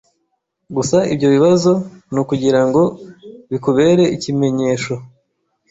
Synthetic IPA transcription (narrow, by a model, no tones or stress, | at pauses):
ɡusaibɟo̞βiβazo̞nukuɟiɾaŋɡo̞βikuβe̞ːɾe̞icime̞ɲe̞ːʃo